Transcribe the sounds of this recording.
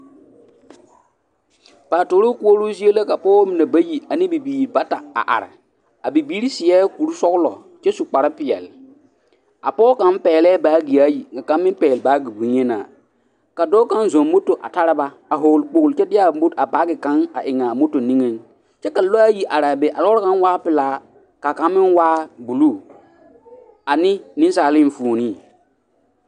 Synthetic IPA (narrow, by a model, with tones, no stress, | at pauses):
paː˨toː˨ɾo˦ku˦o˦ɾuː˦zi˦e˦la˦ka˨pɔː˦mɪ˨na˨ba˦ji˨a˨nɪ̃˦bi˨biː˨ɾba˦ta˨a̰˨ʔa̰˨ɾɪ̰˨ | a˨bi˨biː˦ɾi˦sɪ˨ɛː˦ku˨ɾu˦sɔ˦ɣlɔ̰˨ | t͡ʃɛ˦su˨k͡pa˨ɾa˦pɪ˨ɛ̰˨l | a̰˨pɔː˦ka˨˦m˦pɛː˨lɛː˦baː˨˦ɡi˨a˦ji˨ŋɡa˨ka˨˦m˦mɪ̃˦m˦pɛː˨lba˨˦ɡi˨bu˨ɲɛ˦na̰ː˨ | ka˨dɔː˦ka˦n˦zo˨nmo˦to˨ʔa̰˨ta˦ɾa˦ba˦ | a˨ɦo˨lk͡po˨ɣlt͡ʃɛ˦dɪ˦a˨bo˦da˨ba˦ɡɪ˨ka˦na˨ʔɪ˨ŋa˨mo˦to˨nĩ˦ŋe˦n | t͡ʃɛ˦ka˨lo˦a˦ji˦ʔa˨ɾaː˨be˨ʔa˨lɔ˦ka˦n˦waː˦pɪ˨laː˨˦ | ka˨ka˨˦m˦mɪ̃˦nwaː˦bu˨lu˦˨ | a˨nɪ˦nɪ̃˦n˦saː˨lɪ˦ɱ˨fu˨ni˦˨